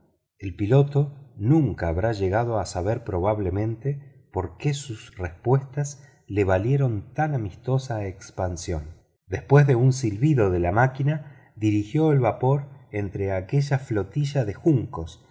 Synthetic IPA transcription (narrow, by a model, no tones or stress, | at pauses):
e̞lpilo̞t̪o̞nũŋkaːβɾaʒe̞ɣað̞o̞asaβeɾpɾo̞β̞aβle̞mẽ̞nt̪e | po̞ɾkesusrespwe̞st̪as | leβ̞alje̞ɾo̞nt̪anamist̪o̞saekspansjo̞̰n | d̪e̞spwe̞zðe̞unsilβiðo̞ðelamakina | ðiɾixjo̞elβapo̞ɾent̪ɾeake̞ʒaflo̞t̪iʒaðe̞xuŋko̞s